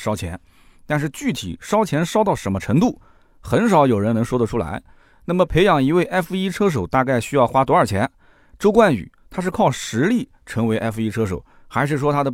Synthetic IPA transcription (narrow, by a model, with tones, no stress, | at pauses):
ʂɑ˥ʊt͡ɕʰjɛ̰˧˥n | t̪a˥˧nʂ̬ɻ̩˥˧t͡ɕy˥˩t̪ʰḭ˨˩ʂɑ˥ʊt͡ɕʰjɛ˧˥nʂɑ˥ʊt̪ɑ˥˩ʊʂə˧˥mə˧ʈ͡ʂʰɤ˧˥ŋt̪u˥˩ | xə˧˥nʂ̬ɑ˧˥ʊjo˨˩ʊɻə˧˥nɤ˧˥ŋʂwɔ˥d̪ə˨ʈ͡ʂʰu˥la̰˧˥ɪ | na˥˩mə˩pʰe˧˥ɪjɑ˨˩ŋi˧˥we˥˩ɪʔa˥fu˧i˥ʈ͡ʂʰɤ˥ʂ̬o˨˩ʊt̪a˥˧ka˥˩ɪɕy˥jɑ˥˩ʊxwa˥t̪wɔ˧˥ə˞˨˩t͡ɕʰjɛ˧˥n | ʈ͡ʂo˥ʊkwa˥˩ny̰˨˩˦t̪ʰa˥ʂɻ̩˥˧kʰɑ˥˩ʊʂɻ̩˧˥li˥˩ | ʈ͡ʂʰɤ˧˥ŋwe˧˥ɪʔa˥fi˥ʈ͡ʂʰɤ˥ʂo˨˩˦ʊ | xa˧˥ɪʂɻ̩˥˩ʂ̬wɔ˥t̪ʰa˥d̪ə˨˩